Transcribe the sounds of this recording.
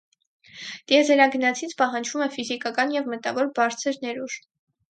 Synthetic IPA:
t̪jɛzɛɾɑɡənɑt͡sʰit͡sʰpɑɦɑnd͡ʒvumɛfizikɑkɑnjɛvmət̪ɑvɔɾbɑɾt͡sʰəɾnɛɾuʒ̥

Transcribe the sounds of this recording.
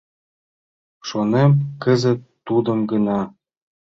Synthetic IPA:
ʃonemkə̆zə̆t̪ːud̪ɤ̆mɡə̆nɑ

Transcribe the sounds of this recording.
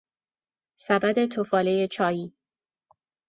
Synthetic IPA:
sæbæd̪e̞t̪ʰofɒːle̞jet͡ʃʰɒːjiː

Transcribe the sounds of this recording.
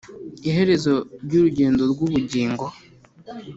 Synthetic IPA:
iɦe̞ɾe̞zo̞ɾɟuɾuɟeːndo̞ɾɡuβuɟiːŋɡo̞

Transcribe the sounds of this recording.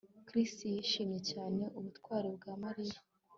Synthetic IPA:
kɾistijiʃiːmje̞caːne̞ʔuβutkwaːɾibɡaːmaɾija

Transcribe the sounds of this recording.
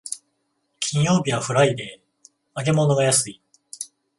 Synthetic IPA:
kʲʰiĩɰ̃jo̞ːbʲiβaɸɯ̟ɾaid̪e̞ | aɡe̞mo̞no̞ɡajasɨi

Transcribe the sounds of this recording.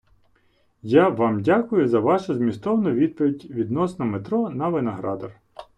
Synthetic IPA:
jaʋɑmdʲakʊjʊzɐʋɑʃʊzmʲist̪ɔʋnɔʋʲid̪̚pɔʋʲidʲʋʲid̪nɔsnɐmet̪ɾɔnɐʋɪnɐɦɾɑd̪ɐr

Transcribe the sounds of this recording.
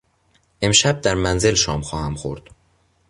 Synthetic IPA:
ʔe̞mʃæb̚d̪æɾmænzelʃɒːmxɒːhæmxo̰ɾd̪̥

